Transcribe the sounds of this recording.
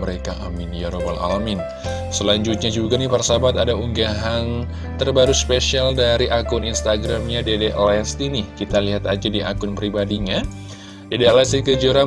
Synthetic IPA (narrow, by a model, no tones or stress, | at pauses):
əɾekaʔaminijaɾobala̰lamɪn | səlaɲd͡ʒut̪̚ɲad͡ʒuɡanipərsabat̪adauŋɡaɦan | t̪ərbaɾuspesialdaɾiʔakʊninst̪aɡɾamɲadedeʔlɛst̪inɪhkit̪aliɦat̪ad͡ʒadiʔa̰kʊnpɾibadiɲa | dedelɛst̪ikəd͡ʒəɾa